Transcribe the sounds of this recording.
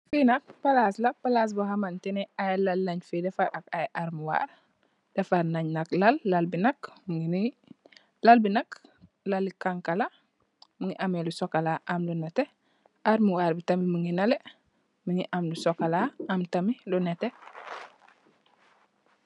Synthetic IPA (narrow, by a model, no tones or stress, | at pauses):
finɐk̚palaslapalaːs̬buɦamantɛnɛajlɐlːaɲfidɛfaɾʔakajʔaɾmuwa̰ɾ | d̥ɛfaɾnaɲnɐklalːalbinɐkmuŋini | lalbinɐk | lalːikaŋkala | muŋiʔamɛlusɔkalaʔamlunɛte | aɾmuwaːɾbitɐmimuŋinale | muŋiʔamlusɔkalaamtɐmilunɛte